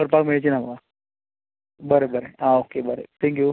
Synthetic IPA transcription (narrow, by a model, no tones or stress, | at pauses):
əɾpakmeɭet͡ɕinamaɡa | bəɾebəɾeaokebəɾḛt̪ʰɛ̃ŋkju